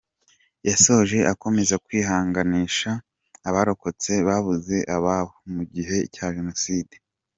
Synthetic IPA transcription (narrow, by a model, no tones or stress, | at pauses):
jaso̞ʒeʔako̞me̞zakwiːhaːŋɡaniːʃaː | βaɾo̞ko̞t͡se̞βaβuze̞ʔaβaβomuɟiɦe̞caːʒe̞no̞siːde